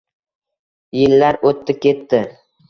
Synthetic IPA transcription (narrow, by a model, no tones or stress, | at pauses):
jɪlːaɾot̪ːɪkʲe̞t̪ːɪ